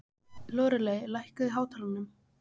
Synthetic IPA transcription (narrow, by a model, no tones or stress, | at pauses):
lɔːɾʏlejlajhkaðɪɦaːwt̪ʰaːlanːʏm